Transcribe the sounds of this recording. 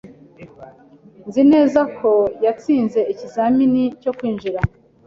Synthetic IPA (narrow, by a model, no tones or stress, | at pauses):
nzine̞ːzakʰo̞jat͡siːnze̞icizaminico̞kwiːnʒiɾa